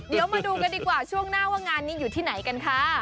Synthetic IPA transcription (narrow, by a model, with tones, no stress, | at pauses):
di˨˩˦əwmaː˧duː˧ka˧ndiː˧kwaː˨˩t͡ɕʰu˥˩əŋnaː˥˩waː˥˩ŋaː˧nːiː˦˥juː˨˩t̪ʰiː˥˩na˩˦jka˧nkʰa˦˥